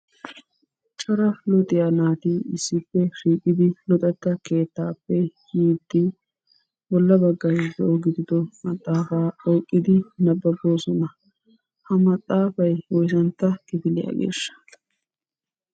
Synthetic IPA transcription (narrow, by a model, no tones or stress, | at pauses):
t͡ʃʼɔɾɐlɔt̪ʼɪjaːnaːt̪iɪsːɪpːɛʃiːkʼːɪd̪ɪlɔt̪ʼɛt̪ːɐke̞ːt̪ːaːpːɛjiːd̪ːɪ | bɔlːɐbɐɡːɐhɪd̪ɛoɡɪd̪ɪd̪ɔmɐt̪ʼːaːfaːɔːkʼːɪd̪ɪnɐbːɐboːsɔnɐ | hɐmɐt̪ʼːaːfɐjwɔjsɐnt̪ːɐkɪfɪlɪja̰ːɡḛːʃːɐ̥